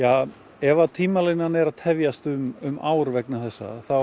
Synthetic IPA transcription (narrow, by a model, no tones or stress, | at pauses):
jaː | ɛvaðt̪ʰiːmalɪnːanɛɾaðt̪ʰɛvjast̪ʏmʏmaːwɾvɛknaθɛsːa̰θa